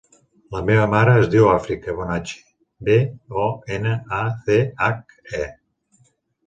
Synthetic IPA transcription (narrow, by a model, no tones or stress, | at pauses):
ləmeβəmaɾəːzdiwafɾikəβɔnat͡ʃi̥ | beɔenəaθeak̚ | ɛ